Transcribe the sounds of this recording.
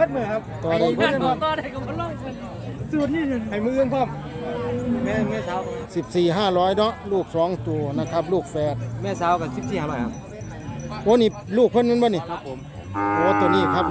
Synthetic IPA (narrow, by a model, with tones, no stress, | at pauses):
a˧˥t̪̚mɯː˨˧˩kʰa˧p̚t̪ɔː˨˩ɾa˨˩˧ɔ˧˨t̪ɔː˧˩da˨jka˧˩mɔ˧˥nlɔː˧˥˩j | su˧˩t̪̚niː˧˥˩ha˨˩jmɯː˧ʔɯ˧ə˨ŋpʰɔ˧˥˩m˨ | mɛ˧˥˨mɛː˧˨saː˨˦wsi˨˩p̚siː˨˩ɦaː˧˩lɔː˦˥jnɔ˧˥ʔluː˥˩k̚sɔː˨˦ŋt̪u˨˩əna˧˩kʰa˧˥p̚luː˥˩k̚fɛː˨˩t̪̚mɛː˧˥˨saː˨˦wka˧˩si˨˦p̚siː˨ha˧˨ma˧˩a˧ | bɔː˧˥˨niː˧˩luː˥˩k̚pʰɤ˧˥˨nmɯ˧˥nbni˧˩˧ | t̪u˨˩t̪u˨˧˩əniː˧˥˩kʰa˧˥p̚